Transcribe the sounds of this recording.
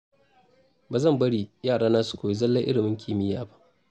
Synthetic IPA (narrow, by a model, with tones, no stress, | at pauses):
baː˨zɐ˦˨mbɐ˦ɽiː˨jaː˦˨ɽaː˦naː˦su̥˨kʷoː˨ji˦zɐ˦lːɐ˦ʔɪ̰˦ɽɪ˨mɪ˦ŋkʲʰiː˦mɪ˦jaː˦ba˦ʔ